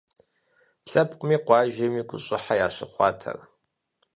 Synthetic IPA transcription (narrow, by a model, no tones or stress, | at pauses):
ɬɐpʼqʷʼmiːqʷɑːʒɐmiːɡʷʼʊɕʼɪħajaːɕɐχʷɑ̰ːtʰɐ̰r